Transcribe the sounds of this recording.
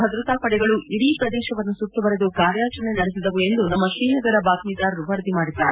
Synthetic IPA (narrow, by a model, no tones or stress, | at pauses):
ɐd̪ɾɐt̪aːpɐɽɛɡɐɭuʔiɽiːpɾɐd̪ɛːʃɐʋɐnːusut̪ːubɐɾed̪uɡaːɾjaːt͡ʃɐnenɐɽesid̪ɐʋue̞nd̪unɐmːɐʃɾiːnɐɡɐɾɐbaːkmid̪aːɾɾuʋɐɾɐd̪imaːɽid̪ːaːɾe